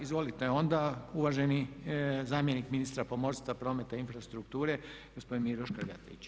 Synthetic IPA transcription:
izʋo̞lit̪eo̞nd̪auʋaʒenizaːmje̞nikminist̪ɾapo̞mo̞ɾst̪ʋapɾo̞ːme̞t̪ainfɾast̪ɾukt̪uːɾe | ɡ̥ospo̞d̪inmiɾoʃkaɡa̰t̪ḛit͡ɕ

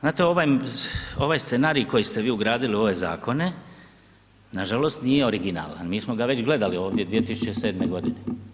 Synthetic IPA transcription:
znaːt̪eo̞ʋaj | o̞ʋajst̪senaːɾiko̞jist̪eʋiːuɡɾaːd̪ilio̞ʋe̞za̰ːko̞ne̞ | naʒalo̞st̪nijeo̞ɾiɡina̰ːla̰nmiːsmo̞ɡaʋe̞t͡ɕɡle̞d̪alio̞ːʋd̪je̞d̪ʋije̞t̪isut͡ʃese̞ːd̪meɡo̞d̪ine

